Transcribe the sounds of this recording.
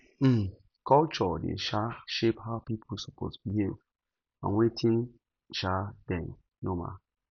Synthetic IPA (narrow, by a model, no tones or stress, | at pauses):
m̩ | kɔlt͡ʃɔdḛʃaʃephaʊpipʰusopo̰sbiɦem | ã̰nwetʰĩn | ʃadɛ̃n | noma̰